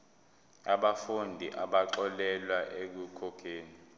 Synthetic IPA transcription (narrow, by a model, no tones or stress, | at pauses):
aɓafundʱiʔaɓaǁɔlɛlwaʔek̬ukʰɔkʰeːni